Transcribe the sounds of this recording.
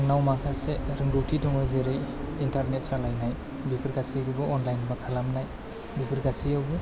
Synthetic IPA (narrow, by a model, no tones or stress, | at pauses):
ŋnawmakʰaseɾɯŋɡɯwtʰitɔŋɔjzeɾɯjintʰaɾnet̚salajnaj | bipʰiɾɡasiɡubuʔɔnlajnbakʰalamnaj | bipʰiɾɡasiawbu